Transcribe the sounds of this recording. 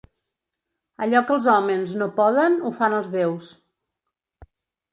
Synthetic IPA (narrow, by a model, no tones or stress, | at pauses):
əʎɔkəlˠzɔmənznopɔðənufanəlˠzðews